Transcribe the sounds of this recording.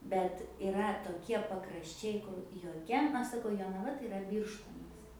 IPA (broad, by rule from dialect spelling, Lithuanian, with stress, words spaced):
bʲɛt ɪˈrɐ toːˈkʲiɛ pɐkrɐʃʲˈt͡ʃʲɛɪ kʊr joːˈkʲɛ ˈɐʃ sɐˈkɐʊ joːnɐˈʋɐ tɐɪ ɪˈrɐ ˈbʲiːrʃtoːnɐs